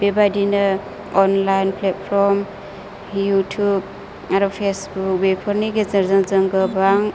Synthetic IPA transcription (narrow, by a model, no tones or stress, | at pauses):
bebadina | ɔnlajnpʰlet̚pʰɾɔm | jutʰub̚ | aɾɔpʰesbuk̚bepʰɔɾniɡezɐɾzaŋzəŋɡɯbaŋ